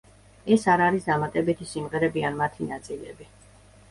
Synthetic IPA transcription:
ɛsaɾaɾisd̪amat̪ʼɛbit̪ʰisimʁɛɾɛbianmat̪ʰinat̪sʼilɛbi

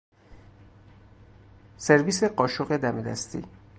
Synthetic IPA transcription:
se̞ɾviːse̞ɢɒːʃoɣed̪æme̞d̪æ̰st̪ʰḭ

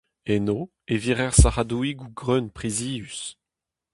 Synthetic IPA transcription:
eno | eviʁɛʁsaʁad̪uiɡuɡʁønpχiziːys

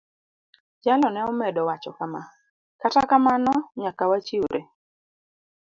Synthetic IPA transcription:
d͡ʒalɔnɛɔmɛdɔwat͡ʃɔkama | katakamanɔɲakawat͡ʃiuɾʔe

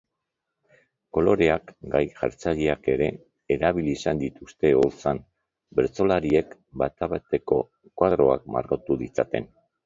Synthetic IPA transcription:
ko̞lo̞ɾe̞akɡajʝa̰ɾt͡saʎeake̞ɾe̞ː | ɾaβiliːsand̪it̪ust̪e̞o̞ɾt͡san | be̞ɾt͡so̞laɾie̞k | bat̪aβet̪e̞ko̞ | kwaðɾo̞a̰k̚ma̰ɾɣot̪uðit͡sat̪e̞̰n

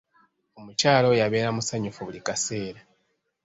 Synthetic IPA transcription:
o̞mucaːlo̞jaβe̞ːɾamusaɲufuβulikase̞ːɾa

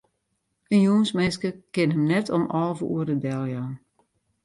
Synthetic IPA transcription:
ənjuənsmɪskəkɪnɦəmnɛtʰɔmɔlˠvəṵərdədɛlˠjan

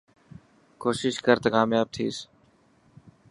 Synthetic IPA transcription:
koːʃɪʃkəɾt̪akaːmjaːb̚t̪ʰḭːs

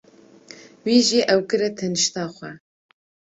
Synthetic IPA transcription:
wiːʒiːʔɛwkɨɾɛt̪ʰɛnɨʃt̪ɑːxʷɛ

